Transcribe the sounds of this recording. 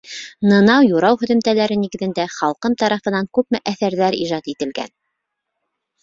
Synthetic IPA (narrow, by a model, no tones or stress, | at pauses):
nɤ̆nɑwjuɾɑwhɵ̆ðɵ̆mt̪ælæɾɘniɡɘ̆ðɘ̆nd̪æχɑlˠqɤmt̪ɑɾɑfɤ̆nɑŋkʉpmɘʔæθæɾðæɾḭʒɑt̪it̪ɘ̆lɡæ̰n